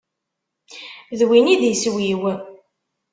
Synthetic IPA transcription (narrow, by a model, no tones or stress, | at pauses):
ðwinid̪jəswjiwə